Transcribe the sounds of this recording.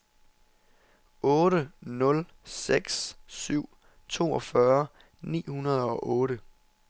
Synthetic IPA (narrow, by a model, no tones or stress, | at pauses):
ɔːɾənɔ̽l | seɡ̥ssyʊ̰ | t͡sʰo̝̰ːɒ̽fɶɐ | nḭːhunɐð̞̩ˠɒ̽ʔɔːɾə